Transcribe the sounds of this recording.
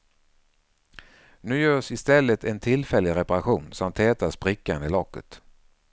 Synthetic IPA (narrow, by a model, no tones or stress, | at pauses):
nʉ̟ːjœːʂɪst̪ɛlːət̪ʰɛnt̪ʰɪlfɛlːɪɾɛpaɾaɧuːnsɔmt̪ʰːɛːt̪asbɾɪkːand̪əlɔkːə̰t̪